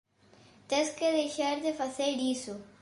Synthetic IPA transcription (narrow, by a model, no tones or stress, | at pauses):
t̪ẽskeðeʃaɾd̪efaseɾɾiso